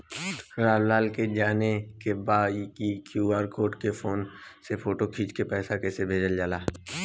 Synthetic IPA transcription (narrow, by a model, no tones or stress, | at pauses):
ɾaːllaːlked͡ʒaːnekebaːkikjuːaːɾkoːʈkepʰoːnsepʰoːʈokʰiːt͡ʃkepɛːsakɛːsebʱeːd͡ʒəld͡ʒaːlaː